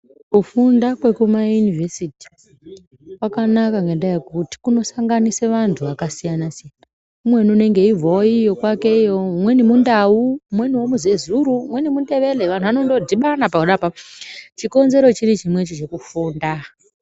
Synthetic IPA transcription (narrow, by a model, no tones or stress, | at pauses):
kufundakwekumajunivʱesiti̥ | wakanakaŋendajekuti̥kuno̞saŋɡaniseʋantʰuʋakasijanasijana | umwe̞nune̞ŋɡe̞ivooijokwake̞ijomwe̞nimundaumwe̞niwo̞muzezuɾumwe̞nimude̞ʋe̞leʋan̤tʰuʋano̞ndo̞dʱiɓanapauɗapat͡ʃiko̞nze̞ɾo̞t͡ʃirit͡ʃimwe̞t͡ʃit͡ʃe̞kufuːnda